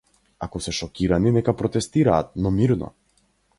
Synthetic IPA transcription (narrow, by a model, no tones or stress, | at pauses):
akɔsɛʃɔkʲiɾaninɛkapɾɔt̪ɛst̪iɾaːt̪̚nɔmiɾnɔ̰